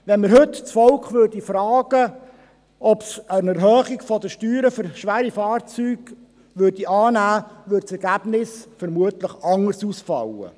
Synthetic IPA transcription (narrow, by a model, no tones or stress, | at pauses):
ʋɛnməɾɦɵt̪t͡sfɔlkχʋøːrd̥ifɾɑːɡ̥ə | ɔpsənɛɾɦœːχiɡfɔd̪əʃtyːɾəfʏɾʃʋæːɾifɑːrt͡syːɡ̥ | ʋøːrd̥iʔɑːnæːʋʏdsɛɾɡ̥æb̥nɪsfəɾmuətləχɑŋəɾsusfɑ̰wə̰